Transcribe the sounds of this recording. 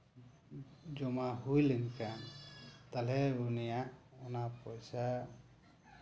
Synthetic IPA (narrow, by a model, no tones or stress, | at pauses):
d͡ʒɔmaɦujlenkant̪alɛunijaʔɔnapɔjsa